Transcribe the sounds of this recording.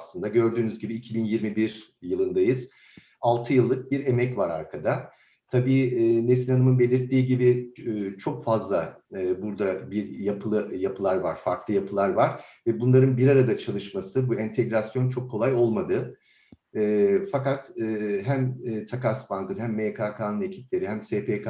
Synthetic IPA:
aslˠɯnd̪aɟø̞ɾd̪yːnyzɟibiːcʰibinjiɾmibiɾjɯlˠɯnd̪ajɯz | alˠt̪ʰɯjɯlˠːɯk̚biɾe̞mɛcvaɾa̰ɾkʰad̪a | t̪ʰabiːnesilʲanɯmɯnbe̞lʲiɾt̪ːiːɟibiːt͡ʃʰo̞kfazlˠaɯːbuɾd̪abiɾjapʰɯlˠɯjapʰɯlˠaɾva̰ɾ̥faɾklˠɯjapʰɯlˠaɾvaɾvɛbunlˠaɾɯnbiɾaɾad̪at͡ʃʰalˠɯʃmasɯbuɛnt̪ʰeɟɾasjo̞nt͡ʃʰo̞kʰːo̞lˠajo̞lˠmad̪ɯː | fakat̪ːɦæmːt̪ʰakasbankɯnhæmːekʰaːkʰaːnune̞cʰi̥p̚lʲe̞ɾihæmseːpʰek

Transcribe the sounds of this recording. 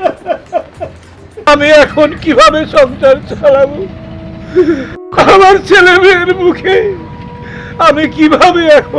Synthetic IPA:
amiɛkʰonkibʱabeʃɔŋt͡ɕaɾt͡ɕalabo | amaɾt͡ɕelebeɾmukʰe | amikibʱabeɛkʰo

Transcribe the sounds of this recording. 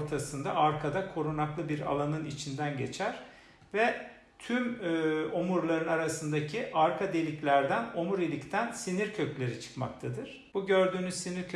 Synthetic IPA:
ɾt̪ʰasɯnd̪aʔaɾkʰad̪akʰo̞ɾunaklˠɯbiɾa̰lˠanɯnit͡ʃʰind̪ænɟe̞̰t͡ʃʰæɾ̥ | vɛ | t̪ʰymːomuɾlˠaɾɯnaɾasɯnd̪acʰiʔaɾkʰad̪e̞lʲiclʲæɾd̪ænomuɾelʲict̪ʰænsiniɾcʰøclʲe̞ɾit͡ʃʰɯ̥kma̰kt̪ʰad̪ɯɾ̥b̥uɟø̞ɾd̪yːnyzsiniɾkʰ

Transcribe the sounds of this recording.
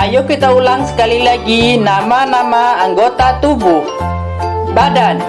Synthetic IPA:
ajukːit̪aulaŋsə̥kalilaɡinamanamaːŋɡot̪at̪ubu | badan

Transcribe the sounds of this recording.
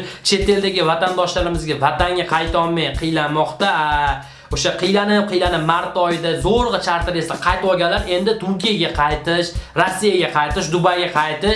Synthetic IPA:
t͡ʃʰe̞t̪ʰe̞ld̪aɡʲɪvat̪and̪ɒʃlaɾɪmɪzɡʲavat̪aŋɡʲaqʰɑjt̪ʰɒlˠmajqʰɨjlanmɒχt̪aa | oʃaqʰɨjlanɪɪp̚qʰɨjlanɪpmaɾt̪ɒjɪd̪azoɾʁɨt͡ʃʰaɾt̪ʰɪɾest̪aqʰɑjt̪ɒlɡʲanlːaɾe̞nd̪ɪt̪ʰʊɾkʲijaɡʲaqʰɑjt̪ʰɪʃɾasːijaɡʲaqʰɑjt̪ɪʃd̪ʊbajɡʲaqʰɑjt̪ɪʃ

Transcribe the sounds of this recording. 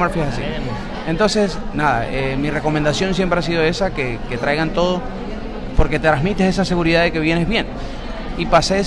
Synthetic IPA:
maɾfjiesasḭ | ent̪o̞nse̞snaða̰emire̞ko̞mẽnd̪asjõ̞ns̬je̞mpɾeas̬iðo̞e̞sakeke̞t̪ɾajɣant̪o̞ð̞o | po̞ɾke̞t̪et̪ɾazmit̪ese̞s̬ase̞ɣuɾiðaðe̞ke̞βjene̞zβje̞n | ipase

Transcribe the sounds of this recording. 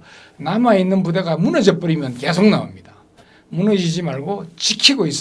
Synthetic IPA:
namainːɯnpudeɡamunʌd͡ʑʌp͈ɯɾimjʌnkesʰoŋnaṵmɲid̥a | munʌd͡ʑid͡ʑimaɭɡot͡ɕikʰiɡois͈

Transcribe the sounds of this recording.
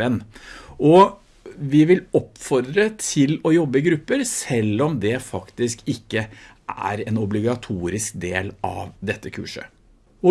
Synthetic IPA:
ɛnːʔɔ | ʋɪʋɪlɔpːfɔɾd̪ɾət̪ʰɪlɔjɔbːəɪɡɾʉpːəɾsɛlːɔmd̪ɛfɑkt̪ɪskɪkːə | ʔææ̰ɾɛnɔblɪɡɑt̪ʰuːɾɪskd̪eːlɑ̰ʋd̪ɛt̪ːəkʰʉ̰ːʂə̰ | ɔ

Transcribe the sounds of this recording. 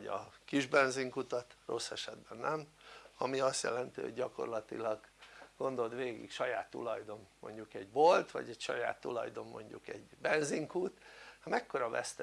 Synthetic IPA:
ɒ̰kiʒbɛnziŋkut̪ɒt̪ro̞sːɛʃɛd̪bɛnːɛmɒmiɒst̪jɛ̰lɛnt̪io̰ɟɟɒko̞rlɒt̪ḭlɒɡɡ̥o̞nd̪o̞ld̪ʋeːɡḭkʃɒjaːt̪ːṵlɒjd̪o̞nːo̞̰ɲɟukɛɟbo̞lt̪ʋɒ̰ɟɛcʃɒja̰ːt̪ːulɒ̰jd̪o̞mmo̞̰ɲɟṵkɛɟbɛnziŋkuːt̪hɒmɛkːo̞ɾɒvɛ̰st̪ɛ

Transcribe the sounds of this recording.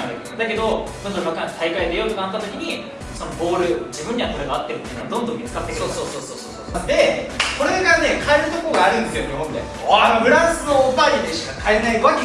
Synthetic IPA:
d̪e | d̪ake̞d̪o̞d̪o̞nd̪ommakankt̪aikaid̪ejoːt̪okanat̪ːat̪okʲiɲ̟i | so̞nobo̞ːɾɯ̟d͡ʑibɯ̃ɲ̟ːiβat̪oɾeɡaat̪ːe̞ɾɯ̟t̪ːeiɯ̟noɡa̰d̪õ̞nd̪õ̞mʲit͡sɨ̥kat̪ːekeosoːsoːsoːsoːsoːd̪e̞ko̞ɾe̞ɡane̞kʰaeɾɯ̟t̪okooɡaːɾɯ̟̃nd̪esɨjo̞ɲ̟ʲiɦõnd̪ḛ | abɯ̟ɾãɰ̃sɨno̞ːbaid̪e̞ɕi̥kakʰaenaiβak

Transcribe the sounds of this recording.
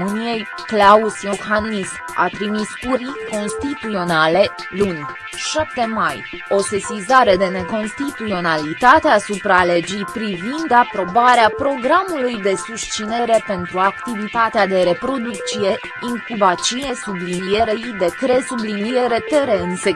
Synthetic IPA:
mɨnije̞j | klausijoxanisma̰t̪ɾimispuɾiko̞nst̪it̪uo̞nale̞ | lunʲ | ʃap̚t̪e̞maj | o̞sesizaɾe̞d̪e̞ne̞ko̞nst̪it̪uo̞nalit̪at̪easupɾale̞d͡ʒijpɾivind̪apɾo̞baɾeapɾo̞ɡɾamulujd̪e̞sust͡ʃine̞ɾe̞pe̞nt̪ɾuakt̪ivit̪at̪ead̪e̞ɾe̞pɾo̞d̪ukt͡ʃie̞ | iŋkubat͡ʃiesublinieɾejid̪e̞kɾe̞sublinieɾe̞t̪e̞ɾe̞ɨnse

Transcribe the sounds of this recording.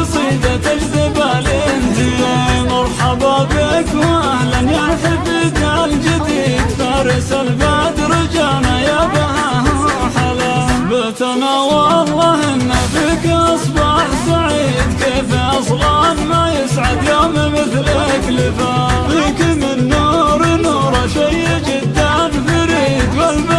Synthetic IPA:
sˤiːd̪at̪ɪlzɪbaːlɪnhimɑɾˤħɑbɑbɪkwʔahlanjaħɪbid̪aʔald͡ʒɪd̪iːd̪faɾˤɪsalbaʕt̪ɾɪd͡ʒaːnajabaʔahħalabat̪anawaɑlˤːɑhʔɪnːafikaʔɑsˤbɑħsaʕiːd̪keːfaʔɑsˤlɑːnmajɪsʕad̪joːmmɪθlaʔaklɪfad̪ˤiːkɪmɪnːuːɾnuːɾˤɑʃajːd͡ʒɪd̪ːanfaɾiːd̪walb

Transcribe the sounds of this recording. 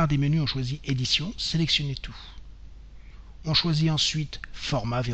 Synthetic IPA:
aʁd̪emənyɔ̃ʃwaziʔed̪isjɔ̃selɛksjɔnet̪ʰu | ɔ̃ʃwaziɑ̃sɥit̪fɔʁmave

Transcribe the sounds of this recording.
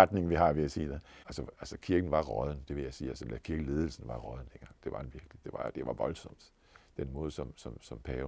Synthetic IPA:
ɑd̥ne̝ŋʋiɦɑ̈ʋe̝æsiːd̥eʔælsəælsəkʰiɐɡ̥n̩ʋɑ̈ʁɒð̞ˠn̩d̥e̝ʋe̝jɑ̈ɪsiːælsəelækʰiɐɡ̥əle̝ːð̞ˠl̩sn̩ʋɑ̈ʁɒðˠn̩d̥enɡ̥ɑ̈ŋ̰d̥e̝ʋɑ̥̈enʋiɐɡ̥lid̥e̝ʋɑ̈d̥e̝ʋɑ̈ʋɒ̽lsɒ̽m̰d̥ | d̥enmɔ̽ːð̞ˠsɒ̽msɒ̽msɒ̽mpʰɛːʊ

